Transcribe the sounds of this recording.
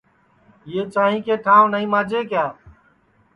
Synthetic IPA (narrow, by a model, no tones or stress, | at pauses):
jeːt͡ʃaːɦĩːkeːʈʰãːʋnəɦĩːmãːd͡ʒeːkjaː